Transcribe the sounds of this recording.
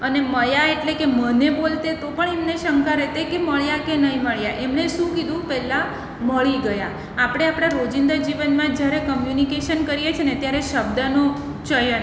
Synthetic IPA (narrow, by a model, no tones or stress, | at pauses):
əneməjaeʈlekemənebolt̪et̪opəɳemneʃəŋkaɾɛt̪ekeməɭjakenəɦĩməɭjaʔemneʃũkid̪ũpɛla | məɭiɡəjaː | pɽ̃eapɽ̃aɾod͡ʒind̪əɾd͡ʒiʋənmãd͡ʒjaɾekəmjunikeʃənkəɾijet͡ʃʰenet̪jaɾeʃəb̚d̪əno | t͡ʃəjən